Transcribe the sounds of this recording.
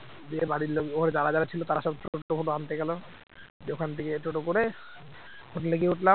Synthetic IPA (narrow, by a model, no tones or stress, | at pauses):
d͡ʑebaɽiɾloɡoɾed͡ʑaɾad͡ʑaɾat͡ɕʰilot̪aɾaʃɔbʈoofʰoʈoant̪eɡɛlo | d͡ʑokʰant̪ʰekeʈoʈokoɾe | pʰoʈlekiɦuʈla